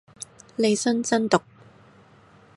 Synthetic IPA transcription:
le˨˧jsɵ˥nt͡sɐ˥nt̪ʊ˨k̚

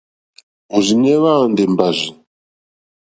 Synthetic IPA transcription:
o˨zi˨n˦ɛ˦βa˦˨ndɛ˨m˨ba˨zi˨

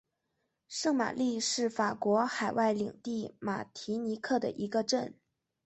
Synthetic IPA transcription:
ʂɤ˥˩ŋma̰˨˩li˥˧ʂɻ̩˥˩fa˨˩kwɔ˧˥xa˨˩ɪwa˥˩ɪli˨˩ŋt̪i˥˩ma˨˩t̪ʰi˧˥ni˧˥kʰɤ˥˩d̪ə̰˩ʔi˧˥ɡə˧ʈ͡ʂə˥˩n

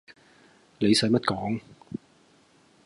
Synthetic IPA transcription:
le˨˧jsɐ˨˥mɐ˥t̚kɔː˨˥ŋ

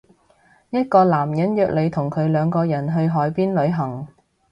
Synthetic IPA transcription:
jɐ˥t̚kɔː˧laː˨˩mjɐ˨˥njœː˨˧k̚le˨˧jt̪ʰʊ˨˩ŋkʰɵ˨˧ɥlœː˨˧ŋkɔː˧jɐ˨˩nɦɵ˧ɥɦɔː˨˥jpiː˥nlɵ˨˧ɥɦɐ˨˩ŋ

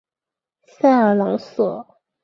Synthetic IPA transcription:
sa˥˩ə˨˩lɑ˧˥ŋswɔ˨˩˦

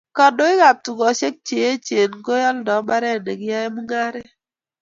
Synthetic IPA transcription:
ka˨do˦ɪ˦ka˨p̚tu˨ɡɔ˨˦ʃe˦k̚t͡ʃe˨je˦t͡ʃe˨nɡo˦jɔ˦ldɔ˨˦ma˦ɾɛ˦˨ne˨ɡɪ˦ja˦je˦mu˦ŋa˦ɾe˦

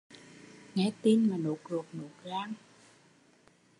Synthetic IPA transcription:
ŋɛ˧˥t̪i˧nmaː˨˩no˨˩˦k̚zo˨˩k̚no˨˩k̚zaː˧ŋ

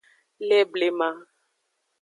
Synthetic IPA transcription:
lɛ˦ble˦mã˦

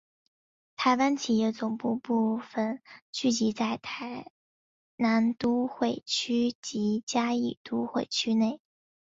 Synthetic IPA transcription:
t̪ʰa˧˥ɪwa˥nt͡ɕʰi˨˩jɛ˥˩t͡sʊ˨˩ŋpu˥˧pu˥˧fə˧˩nt͡ɕy˥˩t͡ɕi˧˥t͡sa˥˩ɪt̪ʰa˧˥ɪ | na˧˥nt̪u˥xwe˥˩ɪt͡ɕʰy˥t͡ɕi˧˥t͡ɕja˥i˨˩t̪u˥xwe˥˩ɪt͡ɕʰy˥ne˥˩ɪ

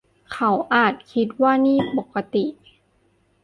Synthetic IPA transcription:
kʰa˩˦wʔaː˨˩t̪̚kʰi˦˥t̪̚waː˥˩niː˥˩po˨˩kːa˧t̪i˨˩

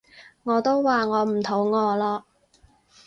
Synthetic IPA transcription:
ŋɔː˨˧t̪o˥wwaː˨ŋɔː˨˧m̩˨˩t̪ʰo˨˥wŋɔː˨˧lɔː˧

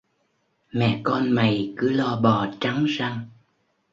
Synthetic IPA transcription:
mɛ̰˧˨kɔ˧nma˨˩jkɨ˨˦lɔ˧ɓɔ˨˩t͡ɕa˨˦ŋza˧ŋ

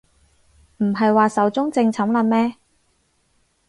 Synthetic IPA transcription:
m̩˨˩ɦɐ˨jwaː˨sɐ˨˥wt͡sʊ˥ŋt͡sɪ˧ŋt͡sʰɐ˨˥mlɐ˧mɛː˥

